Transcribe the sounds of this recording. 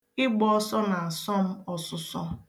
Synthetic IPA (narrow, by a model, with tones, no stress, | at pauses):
ɪ˦ɡ͡bɔ˦ɔ˦sɔ˦na˨a˨sɔ˦m̩˦ɔ˨sʊ˨sɔ˦